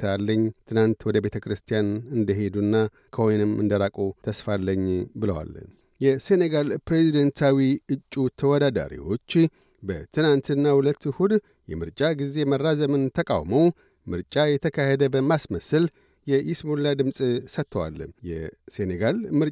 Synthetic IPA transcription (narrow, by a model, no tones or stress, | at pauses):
alːəɲːt̪ʰɨnant̪wɔd̪əbe̞t̪ʰəkʰɾɨst̪ʰijanɨnd̪əɦe̞d̪unːa | kʰəhojnɨmɨ̰nd̪əɾakʼut̪ʰəsfalːəɲːbɨləwa̰lə | jɛse̞neɡalpɾe̞zid̪ənt̪ʰawiɨt͡ʃʼːut̪ʰəwɔd̪ad̪a̰ɾḭwo̞t͡ʃː | bət̪ʰɨnant̪ʰɨnːahulət̪ːhud̪ | jɛmɨɾt͡ʃʼaɡize̞mərːazəmɨnt̪ʰəkʼa̰wməw | mɨɾt͡ʃʼajɛt̪ʰəkʰahed̪əbəmasməsɨl | jɛjɪsmulːad̪ɨmsʼsət̪ʰːəwa̰lːjɛ̰se̞neɡalmɨɾ